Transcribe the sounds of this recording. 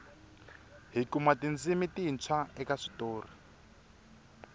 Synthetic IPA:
ɦikumatind͡zimitiːnt͡sʰwaɛkaʂi̥toːri

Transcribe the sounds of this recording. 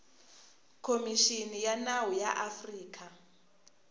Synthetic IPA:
kʰomiʃinijanaɦujaʔafriːk̬ʰʼa

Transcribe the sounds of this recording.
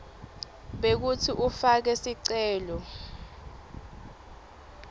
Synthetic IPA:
ɓek̬utʰiʔufak̬ɛsiǀɛːlɔ

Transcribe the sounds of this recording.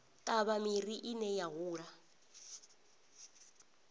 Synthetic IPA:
tʼaβamiriʔinɛjaɦuːɺa

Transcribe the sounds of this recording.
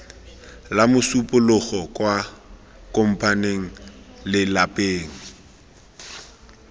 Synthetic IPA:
lamʊsupʼʊlʊχɔkʼwa | kʼʊm̩pʼaneŋ̩lɪlapeːŋ̩

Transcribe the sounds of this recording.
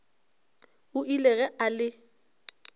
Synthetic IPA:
ʊʔilɛɣɛʔalɪ

